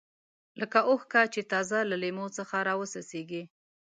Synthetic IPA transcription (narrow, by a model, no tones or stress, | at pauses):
ləkaʔohkat͡ʃet̪ɑzalalemot͡səxaɾɑwəsaseɡi